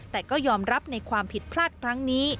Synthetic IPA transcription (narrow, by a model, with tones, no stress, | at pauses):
t̪ɛː˨˩kɔː˥˩jɔː˧mɾa˦˥p̚na˧jkʰwaː˧mpʰi˨˩t̪̚pʰlaː˥˩t̪̚kʰɾa˦˥ŋniː˦˥